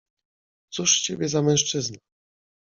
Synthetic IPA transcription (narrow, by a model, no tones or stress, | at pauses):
t̪suʂt͡ɕeɛbʲjɛzamɛ̃w̃ʂt͡ʂɘzna